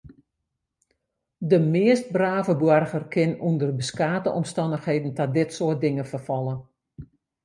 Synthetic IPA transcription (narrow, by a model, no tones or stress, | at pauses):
dəmɪəst̚braːvəbwɔrɣərkʰɪnundərbəskaːtəʔɔmstɑndəxheːdn̩tadɪtsʊət̚dɪŋəfərfɔlˠə